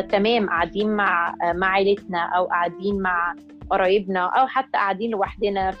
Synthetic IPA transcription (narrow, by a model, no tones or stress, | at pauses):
t̪æmɛːmʔaʕad̪iːnmaʕmaʕajlɪt̪næʔæwʔaʕad̪iːnmaʕ | ʔɑɾˤɑːjɪbnæʔæwħat̪ːæʔaʕad̪iːnlɪwaħd̪ɪnæ